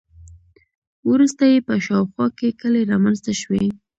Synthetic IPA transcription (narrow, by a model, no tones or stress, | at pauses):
wɾust̪ajepəʃɑwxwɑkekəleɾɑmanzt̪aʃwe